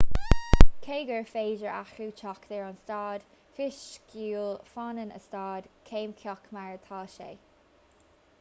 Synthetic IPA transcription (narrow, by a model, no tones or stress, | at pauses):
kʰeːɡəɹfeːd͡ʒəɹa̰xɾuːt͡ʃʰɔkd̪ɛɹanstɑːd̪̥ | fɪʃɡuːlfanənə̰stɑːd̪̥kʰeːmkʰjɔkʰmaɹt̪ʰɑːʃḛː